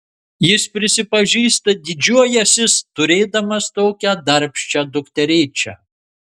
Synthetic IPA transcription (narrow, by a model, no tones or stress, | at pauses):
jɪspʲɾʲɪsʲɪpɐʒʲiːst̪ɐd̪ʲɪd͡ʒʲuɔjɛsʲɪst̪ʊɾʲeːd̪ɐmɐst̪oːkʲæd̪ɐɾʲpʲʃʲt͡ʃʲæd̪ʊkt̪ʲɛɾʲeːt͡ʃʲɛ̰